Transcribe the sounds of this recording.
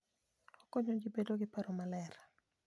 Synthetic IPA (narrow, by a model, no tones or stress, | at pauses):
okoɲoɡibedoɡɪpaɾomalɛɾ